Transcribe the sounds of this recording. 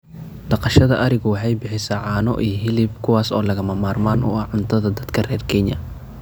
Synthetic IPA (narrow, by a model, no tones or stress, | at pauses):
ɖ̪̥ɑqɑʃɐðɐʔɐɾɪɣʊwɑħɑjbɪħɪsɐʕɑːnɔ̰ʔiːjɦɪlɪb̚kʰʊwaːsɔ̰ːlɐɣɐmɐmaːrmaːnʊ̰ɐʕʊnt̪ʰɐðɐd̪ɐd̪̥kʰɐrɛːrkʰɛɲɐ̰